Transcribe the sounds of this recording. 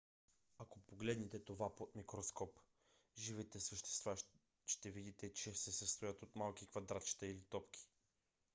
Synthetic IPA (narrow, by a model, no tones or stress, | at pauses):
akopoɡlɛd̪nɛt̪ɛt̪ovapot̪mikɾoskɔp | ʒivɛt̪ɛsəʃt̪ɛ̥st̪va | ʃt̪ɛvid̪it̪ɛt͡ʃɛsɛsəst̪ojət̪ot̪malˠkʲikvɐd̪ɾat͡ʃi̥t̪əilit̪ɔpkʲʰi̥